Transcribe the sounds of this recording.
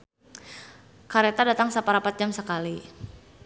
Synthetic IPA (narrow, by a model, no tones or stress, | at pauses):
kaɾet̪adat̪aŋsapaɾapat̪̚d͡ʒamsəkali